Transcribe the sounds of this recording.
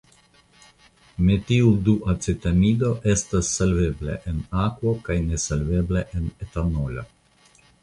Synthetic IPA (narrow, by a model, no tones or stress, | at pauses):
met̪iud̪uʔat͡sit̪amid̪oʔest̪asːalveblḛʔenakwokajnesalvebleʔenet̪anolo̰